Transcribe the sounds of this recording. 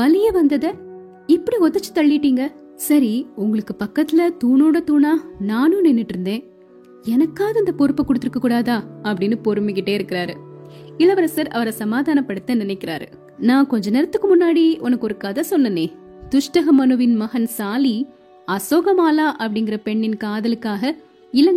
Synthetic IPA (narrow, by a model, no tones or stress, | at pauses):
ʋɐlɪjɐʋɐnd̪ɐðɐ | ɪpːɐɽiɔt̪ːɐt͡ʃːɯ̥t̪ɐɭːɪɪʈːiːŋɡɐ | sɐɾiʊŋɡɐɭɯkːɯpɐkːɐt̪ːɪlɐt̪uːnoːɽɐt̪uːnaːnaːnũnɛnːɪʈːɾɯnd̪ẽː | ɛnɐkːaːðɐɪnd̪ɐkɔɾɯpːɐkːʊɽɯt̪ːɪɾɯkːɐkːuːɽaːðãːɐpːɐɽɪnːɯpɔɾɯmɪkɪʈːeːɪɾɯkːɪɾaːɾɯɪlːɐʋɐɾɐsɐɾɐ̰ʋɐɾɐsɐmaːðaːnɐpːɐɽɯt̪ːɐnɪnɐɛɪkːɪɾa̰ːɾɯ̰ | nãːkɔɲd͡ʒɐnɛɾɐt̪ːɯkːɯmʊnːaːɽiʔʊnɐkːɔɾɯkaːðɐsɔnːɐnːeː | t̪ʊʂʈɐɣɐmɐnɯʋɪnmɐɣɐnsaːli | ɐsoːɣɐmaːlaːʔɐpːɐɽɪŋɡɪɾɐpɛɳːɪnkaːðɐlɯkːaːɣɐ | ɪlɐŋɡ